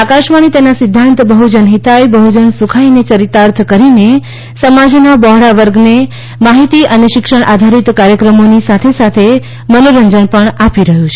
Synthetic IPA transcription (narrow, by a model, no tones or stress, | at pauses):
akaʃmaɽ̃it̪enasɪd̪ʱːãnt̪bəɦud͡ʒənɦit̪ajbəɦud͡ʒənsukʰainet͡ʃəɾit̪aɾt̪ʰkəɾine | səmad͡ʒnabɔɦɽaʋəɾɡne | maɦit̪iʔəneʃɪkʃəɳʔad̪ʱaɾit̪kaɾjəkɾəmonisat̪ʰesat̪ʰe | mənoɾəɲd͡ʒəɳpəɳapiɾəɦjũt͡ʃʰe